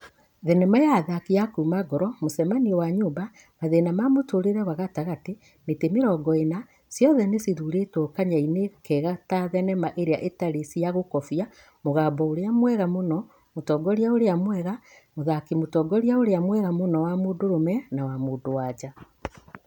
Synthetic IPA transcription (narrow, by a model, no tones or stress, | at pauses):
ðɛnɛmajaðakiakumaɡɔɾɔmosɛmaniɔwaɲuːmba | maðenamamotoɾeɾɛwaɣataɣate | metemeɾɔːɡɔena | sjɔðɛnesiðuɾetokaɲainekɛɣataðɛnɛmaʔeɾeaʔetaɾesiaɣokɔfia | moɣaːbɔoɾeamwɛɣamonɔ | motɔɡɔɾjaoɾeamwɛɣa | moðakimotɔːɡɔɾiaoɾeamwɛɣamonɔwamodoɾomɛnawamuːdowad͡ʒa